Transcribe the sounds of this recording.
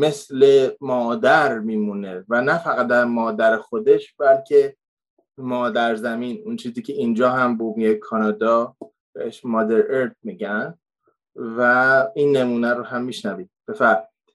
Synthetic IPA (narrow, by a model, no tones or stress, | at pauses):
me̞sle̞mɒːd̪æɾmiːmuːne̞vænæfæɣæt̪̚d̪æɾmɒːd̪æɾexo̞d̪e̞ʃb̥ælcʰe̞ | mɒːd̪æɾzæmiːnunt͡ʃʰiːziːcʰe̞iːnd͡ʒɒːɦæmbumijekʰɒːnɒːd̪ɒː | b̥eheʃmɒːd̪eɾeɾt̪̚miːɟæn | væiːnːe̞muːnæɾoɦæmːiːʃnæviːd̪̥̚b̥e̞fæɾmi̥id̪̥